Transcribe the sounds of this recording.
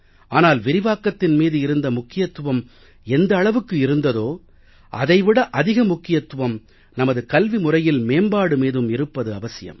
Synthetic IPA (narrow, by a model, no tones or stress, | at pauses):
ʔaːnaːlʋɪɾɪʋaːkːɐt̪ːɪnmiːðɯɪɾɯnd̪ɐmʊkːɪjɐt̪ːɯʋɐm | ɛnd̪ɐːɭɐʋɯkːɯɪɾɯnd̪ɐðoː | ʔɐ̰ðɐɪʋɪɽɐʔɐðɪɣɐmʊkːɪjɐt̪ːɯʋɐm | nɐmɐðɯkɐlʋimʊrɐjɪlmeːmbaːɽɯmiːðɯmɪɾɯpːɐðɯɐʋɐsɪjɐ̰m